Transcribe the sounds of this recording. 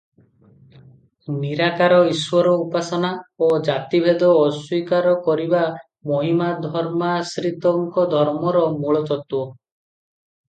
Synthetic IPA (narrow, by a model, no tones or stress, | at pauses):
niɾakaɾɔiswɔɾɔupasɔnaod͡ʒat̪ibʱed̪ɔːswikaɾɔkɔɾiba | moɦimad̪ʱɔɾmasɾit̪ɔŋkɔd̪ʱɔɾmɔɾɔmuɭɔt̪ɔt̪wo